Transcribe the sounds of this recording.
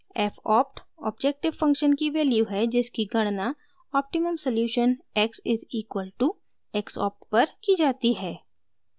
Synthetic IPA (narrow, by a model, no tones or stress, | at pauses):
ɛfɔːp̚ʈɔ̰ːbd͡ʒɛk̚ʈɪʋfɐ̃ŋkʃənkiʋeːljuɦɛd͡ʒɪskiɡɐɽ̃na | ɔːp̚ʈɪməmsɐljuːʃənɛksɪziːkwəlʈu | ɛksɔ̰ːp̚ʈpɐɾkid͡ʒaːt̪iɦɛː